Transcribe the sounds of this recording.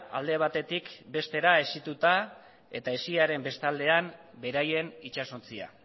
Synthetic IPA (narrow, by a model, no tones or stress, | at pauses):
a̰ld̪e̞β̞at̪e̞t̪ikbe̞st̪e̞ɾae̞sit̪ut̪a | e̞̰t̪ae̞siaɾe̞mbe̞st̪ald̪e̞am | be̞ɾaje̞nit͡ʃaso̞nt͡sia̰